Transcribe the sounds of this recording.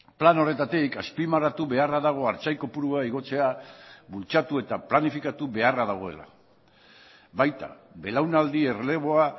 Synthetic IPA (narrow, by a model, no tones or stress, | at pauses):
plano̞re̞t̪at̪ikaspimarat̪uβe̞araðaɣ̞o̞aɾt͡sajko̞puɾuaiɣ̞o̞t͡se̞aβult͡ʃat̪ue̞t̪aplanifikat̪uβe̞araðaɣ̞o̞e̞̰la̰ | bajt̪a̰ | be̞lawnald̪ie̞rele̞β̞o̞a